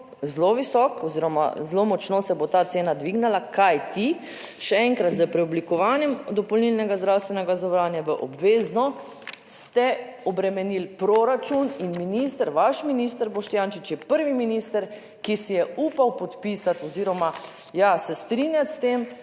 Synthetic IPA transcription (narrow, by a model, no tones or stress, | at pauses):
zloʋisɔkɔziɾɔma̰zlomɔt͡ʃnosɛbot̪aːt̪seːnad̪ʋiɡnalakʰajt̪i | ʃɛɛŋkɾat̪zəpɾɛɔblikɔʋaːnjɛmd̪ɔpɔlnilnɛɡazd̪ɾawst̪ʋɛnɛɡazɔʋɾanjaʋəʔɔ̰bʋeːznɔ | st̪ɛɔbɾɛmɛnilpɾoɾat͡ʃuninminiːst̪əɾʋaʃminiːst̪əɾbɔʃt̪janʃit͡ʃjɛpəɾʋiminiːst̪əɾ | kisijɛuːpawpɔt̪pisat̪ɔziːɾɔma | jasɛst̪ɾinjat̪st̪em